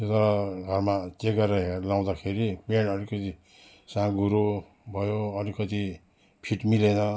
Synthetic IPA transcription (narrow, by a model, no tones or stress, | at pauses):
t̪ot̪ʌɾʌɡʱʌrmat͡seɡʌɾʌɦelaw̃d̪akʰeɾipenʌɾikʌt̪i | sãɡuɾo | bʱʌjoʌɾikʌt̪i | pʰiʈmilenʌ